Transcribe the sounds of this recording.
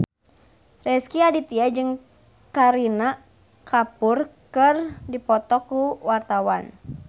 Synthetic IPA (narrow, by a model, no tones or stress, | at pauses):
rɛskiadit̪iad͡ʒɨŋ | kaɾina | kapʊrkɨrdipɔt̪ɔkuwart̪awan